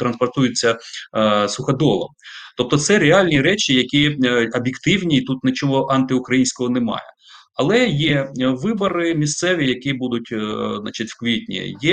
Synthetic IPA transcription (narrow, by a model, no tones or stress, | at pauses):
t̪ɾɐnspɔrt̪ujɪt͡sʲːɐ | sʊxɐd̪ɔlˠɐ̰mt̪ɔp̚t̪ɔt̪sɛɾeɑlʲnʲiɾɛt͡ʃʲijɐkʲiɐbʲjɪkt̪ɪwnʲiːt̪ut̪nɪt͡ʃɔɦɔʔɑnt̪ɪʊkɾɐjinʲsʲkɔɦɔnemɑ̰jɛ̰ | ɐlˠɛjɛʋɪbɐɾɪmʲist̪sɛʋʲijɐkʲibud̪ʊtʲznɑ̰t͡ʃɪtʲwkʋʲitʲnʲḭjɛ